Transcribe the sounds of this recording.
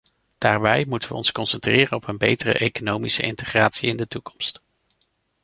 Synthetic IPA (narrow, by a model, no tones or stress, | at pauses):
d̥aːɹbɛjmutənʋəɔnskɔnsɛntrɪːrənɔpənbejtərə̰ʔejkonowmisəɪntəχraːtsiɪndətukɔ̥mst